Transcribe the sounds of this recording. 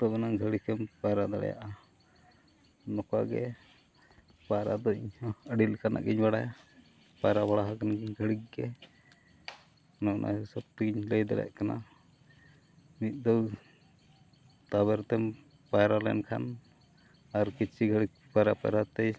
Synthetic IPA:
t̪ɔbɛnaɡʱəɽikɛmpajɾad̪aɽɛ̰ja̰ʔa | nɔkaɡɛ̰ | pajɾad̪ɔiɲəɖilkʰanʔa̰ʔɡiɲbaɽaja | pajɾabaɽaɦakanaɡiɲɡʱəɽik̚ɡɛ | nɔknʔa̰səb̚t̪iɡiɲləjd̪a̰ɽɛ̰ʔkana̰ | nit̪̚ˀd̪ɔw | t̪abɛɾt̪ɛm | pajɾalɛ̰nkʰa̰n | aɾkit͡ʃʰiɡʱəɽik̚paɾapa̰jɾat̪ɛj

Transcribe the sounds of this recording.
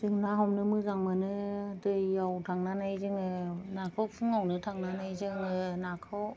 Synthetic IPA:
z̥ɯŋnaɦɔmnɯmɯzaŋmanɯdɯjːawtʰaŋnanajzɯŋɯnakʰɔpʰɯŋawnɯtʰaŋnanajzɯŋɯnakʰɯw

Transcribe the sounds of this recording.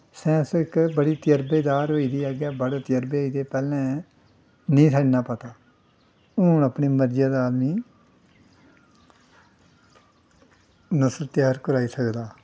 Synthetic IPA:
sɛ̃ːsɪkbəɽiːt̪ɪjəɾbeːd̪aːɾɦoːiːd̪iːaːɡjaːbəɽat̪jəɾbeːɦoiːd̪eːpɛːlɛ̃ː | nĩːsəd͡ʒnãːpət̪aː | ʊnəpɳiːməɾd͡ʒjaːd̪aːd̪miː | nəsəlt̪ɪjaːɾkəɾaːiːsəkd̪aː

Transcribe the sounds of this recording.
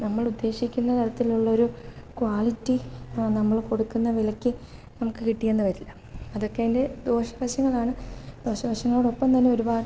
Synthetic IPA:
nɐmːɐɭud̪ːe̞ːɕikʲːunːɐneɾɐt̪ːiluɭːɐo̞ɾukwaːlitːinɐmːɐɭko̞ɽukːunːɐʋilɐkʲːi | nɐmukːɨkiʈːijenːɨʋɐɾilːɐ | ɐðo̞kːeinde̞d̪o̞ːɕɐʋɐɕɐŋːɐɭaːɳɨd̪̥o̞ːɕɐʋɐɕɐŋːɐɭoɽo̞pːɐmt̪ɐnːe̞o̞ɾubaːɖ

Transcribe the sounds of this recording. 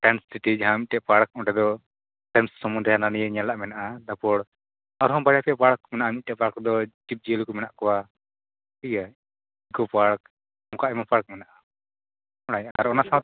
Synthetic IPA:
ʈɛnsːiʈid͡ʒaɦãmit̪̚ʈɛʔpaɽk̚ɔʈɛd̪ɔ | ʈɛmsːɔmund̪ɾɛɦananijɛɲalaʔmɛnaʔad̪apɔɽ | aɾɦɔ̃baɽjapɛpaɽk̚mɛnaʔamit̪̚tɛʔpaɾkd̪ɔd͡ʒip̚d͡ʒilkɔmɛnaʔkɔwa | ija | ikɔpaɽk | mɔkaʔɛmapaɽk̚mɛnaʔa | ɔɽajaʔaaɾɔnasaa

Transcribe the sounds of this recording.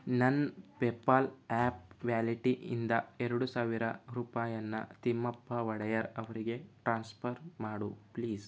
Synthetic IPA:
nɐnpeːpːalaːp̚ʋjaːliʈiʔḭnd̪ɐeɾɐɽusaːʋiɾɐɾuːpaːjɐnːɐ̰t̪imːɐpːɐʋɐɽɐjɐɾɐʋɐɾiɡe̞ʈɾaːnspʰɐɾmaːɽupliːs

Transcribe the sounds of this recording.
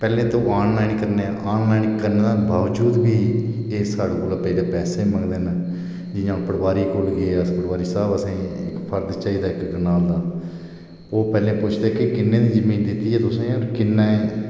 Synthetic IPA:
pɛːlẽːt̪õːaːnlaːinkəɾneːaːnlaːinkəɾnẽːd̪aːbaːʋd͡ʒuːd̪biː | eːsaːɽekoːlapəiːleːpɛːsẽːməŋɡd̪eːn | d͡ʒɪjãːpəɽʋaːɾiːkolɡeːəspəɽʋaːɾiːsəbəsẽːɪ̰kpʰəɾt̪t͡ʃaːiːd̪aːɪkɡənaːld̪aː | oːpɛːlẽːpʊt͡ʃʰd̪eːkɪkɪnːẽːd̪iːzəmĩːnd̪ɪt̪ːiːɛːt̪ʊsẽːoːɾkɪnːẽː

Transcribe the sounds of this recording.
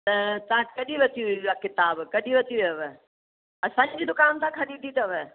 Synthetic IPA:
t̪ɐt̪ãkɐɗiʋɐt̪ʰiiakɪt̪aːbkɐɗiʋɐt̪ʰiʋɐʋɛ | ɐsãːɲd͡ʑd͡ʑiːd̪ʊkaːnt̪ʰãkʰɐɗit̪ʰit̪ɐʋɛ

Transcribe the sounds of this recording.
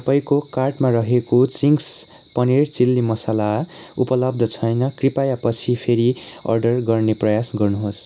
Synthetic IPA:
tʌpʌjkokarʈmaɾʌɦekot͡siŋs | pʌnert͡silːimʌsala | upʌlʌb̚d̪ʱʌt͡sʰʌjnʌkripajapʌt͡sʰipʰeɾiʌ̰rɖʌrɡʌrneprʌjasɡʌrnuɦos

